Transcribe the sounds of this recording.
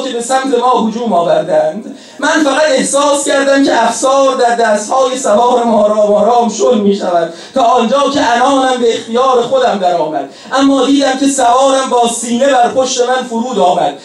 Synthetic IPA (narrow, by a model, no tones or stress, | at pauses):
kʲebe̞sæmt̪ʰe̞mɒːhod͡ʒuːmɒːvæɾd̪ænd̪̥ | mænfæɣæt̪e̞hsɒːscæɾd̪æmcʰeʔæfsɒːɾd̪æɾd̪æːst̪hɒːjesævɒːɾemɒːɾɒːmɒːɾɒːmʃod̪miːʃævæd̪̥̚ | t̪ʰɒːnd͡ʒɒːcʰe̞ʔænɒːnæmbeext̪ijɒːɾe̞xod̪æmd̪æɾɒːmæd̪̥̚ | ʔæmːɒːd̪iːd̪æmce̞sævɒːɾæmbɒːsiːne̞bæɾpoʃt̪e̞mænfoɾuːd̪ɒːmæd̪̥̚